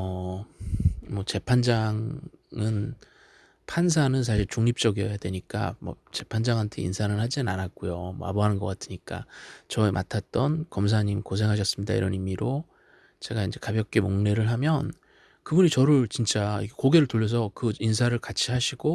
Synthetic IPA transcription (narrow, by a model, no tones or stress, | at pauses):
ʌ | mʌt͡ɕe̞pʰand͡ʑaŋɯn | pʰans̬ʰanɯns̬ʰaɕʰiɭt͡ɕuŋɲip̚t͡ɕ͈ʌɡiʌjadwe̞ɲik͈a̰mʌ̰ | t͡ɕe̞pʰand͡ʑaŋɦantʰe̞ḭnsʰanɯnhad͡ʑinɯnanat̚k͈ojomʌa̰boɦanɯnɡʌk͈atʰɯɲik͈a̰t͡ɕʌemʔa̰tʰat̚t͈ʌnkʌms̬ʰaɲimkos̬ʰe̞ŋɦaɕ̬ʰʌs͈ɯmɲida̰ḭɾʌ̰nimiɾo | t͡ɕe̞ɡaind͡ʑe̞kabjʌk͈̚emoŋne̞ɾɯɭɦamjʌn | kɯbuɲit͡ɕʌɾɯɭt͡ɕint͡ɕ͈aiɡekoɡe̞ɾɯɭtoʎːjʌs̬ʰʌkɯinsʰaɾɯɭkat͡ɕʰiɦaɕʰiɡo